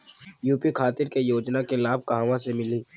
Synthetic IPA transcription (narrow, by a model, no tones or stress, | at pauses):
juːpikʰaːt̪ɪɾkejoːd͡ʒnakelaːb̚ʱkɐɦaʋãsemɪliː